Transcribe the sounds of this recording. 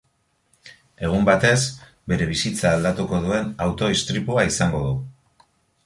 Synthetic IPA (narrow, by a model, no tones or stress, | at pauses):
e̞ɣ̞umbat̪e̞s | be̞ɾe̞β̞isit͡saːld̪at̪uko̞ðue̞nawt̪o̞ist̪ɾipuaisaŋɡo̞ðu